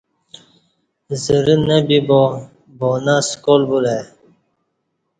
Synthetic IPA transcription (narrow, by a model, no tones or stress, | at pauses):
zəɾinəbibo | bonaskolbuɾe